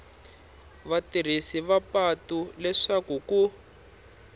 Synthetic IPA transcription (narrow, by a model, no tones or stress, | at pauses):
βatir̤isiβapatulɛʂakuku